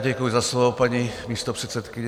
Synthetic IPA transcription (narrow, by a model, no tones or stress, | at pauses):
ɟɛkujizaslɔpaɲimiːst̪ɔpr̥ɛt̪sɛt̪kiɲ